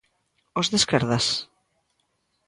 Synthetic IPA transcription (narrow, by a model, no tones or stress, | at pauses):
ozðeskeɾðas